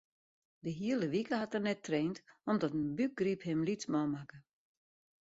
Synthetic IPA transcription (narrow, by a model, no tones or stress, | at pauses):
dəɦiəlˠəʋikəɦatərnɛtreːntɔmdɔtənbyk̚ɡriphɪmlit͡smɔmakə